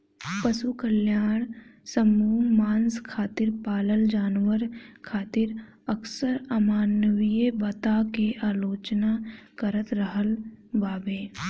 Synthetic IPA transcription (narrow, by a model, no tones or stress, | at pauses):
pəsukəljaːɳ̃səmuːmaːnskʰaːt̪ɪɾpaːləld͡ʒaːnʋəɾkʰaːt̪ɪɾ | əksəɾəmaːnəʋijebɐt̪akeʔaːloːt͡ʃnakəɾət̪ɾəɦəlbaːbeː